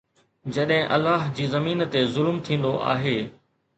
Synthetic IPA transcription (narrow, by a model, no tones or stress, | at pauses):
d͡ʑɐɗɦɪ̃ʔɐlːaːɦd͡ʑiːzɐmiːnt̪ezʊlmt̪ʰĩːn̆d̪oʔa̰ːɦeː